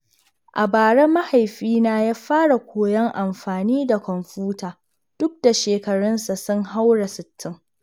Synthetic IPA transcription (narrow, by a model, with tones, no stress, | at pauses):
ʔa˨baː˨ɽɛ˦mːa˦ha˨jɸiː˦naː˦jaː˦ɸaː˦ɽa˨kʷoː˨jɐ˦ŋʔa˨mɸaː˨niː˦da˨kʷɔ˨mɸuː˦taː˨ | d̥ʊ˦k̚da˨ʃeː˨kɐ˨ɽɐ˦nsa˨sʊ˦ŋha˦wɽa˨sɪ˨tʰːɪ˦ŋ